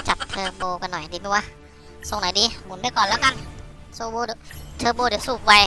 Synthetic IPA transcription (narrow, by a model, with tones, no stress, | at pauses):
t͡ɕa˨˩t̚t̪ʰːɤː˧boː˧ka˧nːɔ˨˩jdiː˧nu˧˦˧ɐ˧ | so˨˩ŋnɔː˨˦diː˧mu˨˦npa˧˩jkɔː˨˩nlɛː˦˥˩wka˧˨n | suː˧˩boː˧dt̪ʰɤː˧boː˧u˨˩suː˧˩p̚wa˧j